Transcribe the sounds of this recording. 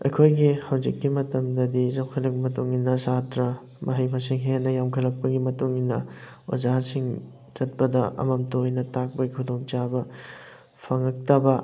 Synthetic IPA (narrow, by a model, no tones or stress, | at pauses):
ɐ̰jkʰojɡihawd͡ʒikːimɐtɐmdɐdizawkʰɐlɐk̚mɐtuŋinːɐsatɾɐ | mɐɦɐjmɐsiŋɦenɐjamkʰɐlɐk̚pɐɡimɐtuŋinːɐ | o̰zasiŋ | zɐt̚pɐdɐʔɐ̰mɐmtojnɐtak̚pɐɡikʰudoŋt͡ʃabɐ | pʰɐŋɐk̚tɐbɐ